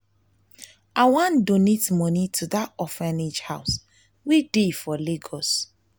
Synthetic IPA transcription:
ʔawãndonitmɔnitʰuðatɔfɛnid͡ʒhaʊs | widefɔleɡɔs

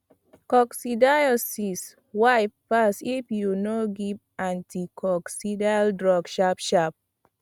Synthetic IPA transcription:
kɔksidajɔsis | wafːasifjunoɡiv | ãntʰikʰɔksidaldɹɔɡʃapʃap̚

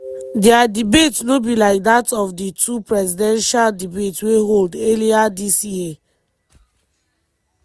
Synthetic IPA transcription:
dɛadibetsnobilaɪk̚datɔfditʰupɹɛzidɛ̃nʃaldibetsweɦoldeliadisie

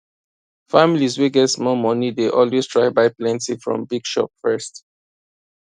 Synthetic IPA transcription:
familizweɡɛtsmɔmɔnideʔɔlwestɹaɪbaɪplɛ̃ntĩfɹɔ̰̃mbiɡʃɔ̰p̚fɜst

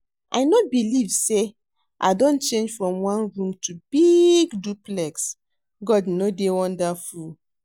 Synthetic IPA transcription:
ʔa̰jnobilivse | ʔadõnt͡ʃẽnd͡ʒfɹɔ̃mwãnɹũmtʰubiɡduplɛks | ɡɔdnodewɔ̃ndaful

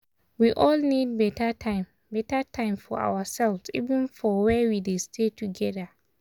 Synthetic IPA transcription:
wiʔɔlnid̚bɛtʰatʰãɪ̃m | bɛtatʰãɪ̃mfɔa̰wasɛlvsḭvɨ̃nfɔwɛwidestʰetʰuɡɛda

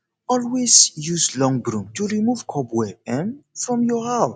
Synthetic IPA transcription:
ɔlwesjuslɔ̃ŋbɹũmtuɹimuv̥kʰɔbwɛɛ̃mfɹɔ̃mjɔhaʊ

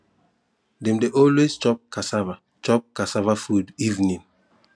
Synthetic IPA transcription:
dɛ̃mdeʔɔlwest͡ʃɔp̚kʰasava | t͡ʃɔp̚kasavafudivnĩn

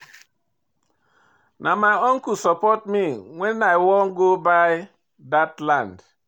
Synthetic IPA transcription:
nʔamaɪɔŋ̩kusɔpɔtmiŋʷenaɪwɔŋ̩ɡobaɪ | datlãnd

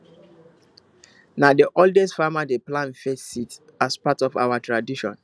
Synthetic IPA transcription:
nadiʔɔldɛstfamadeplãnfɛtsit | aspatɔfa̰watɹadiʃɔ̰̃n

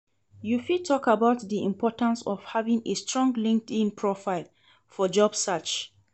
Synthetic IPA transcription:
jufitʰɔkabaʊtðiḭ̃mpʰɔtãnsɔv̥havĩŋestɹɔ̃ŋɡlĩŋk̚tĩnpʰɹɔfaɪl | fɔd͡ʒɔbsat͡ʃ

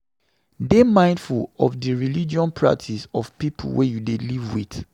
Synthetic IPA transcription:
demãɪ̃ndfulɔfdəɹilid͡ʒiɔ̃npʰɹa̰k̚tʰisɔfpipʰṵlwejudelivwḭθ

